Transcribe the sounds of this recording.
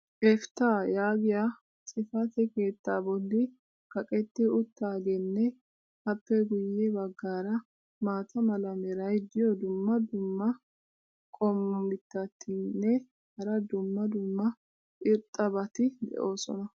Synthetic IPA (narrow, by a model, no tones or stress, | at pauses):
ʔɛft̪aːjaːɡɪja | t͡sʼɪfɐt̪ɛke̞ːt̪ːaːbɔlːɪ | kɐkʼɛt̪ːɛʊt̪ːaːɡɛnːɛ | hɐpːɛɡʊjːɛbɐɡːaːɾɐ | maːt̪ɐmɐlɐmɛɾɐjd̪ɪjɔd̪ʊmːɐd̪ʊmːɐ | kʼɔmːʊmɪt̪ːɐt̪ʰːɪnːɛ | hɐɾɐd̪ʊmːɐd̪ʊmːɐ | ʔɪɾt̪ʼːɐbɐt̪ɪd̪ɛ̰ʔo̞ːsɔ̰nɐ